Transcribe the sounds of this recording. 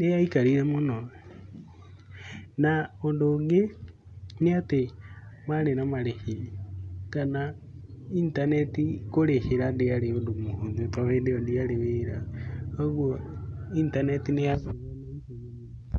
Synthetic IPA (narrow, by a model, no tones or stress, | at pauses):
nejaikaɾiɾemono | naondoŋɡe | niatemalenamaɾehi | kana | intanetikoɾeheɾandealeondomuhunepaβendeondialeβeɾaoɣwointanetinejaβaβanahu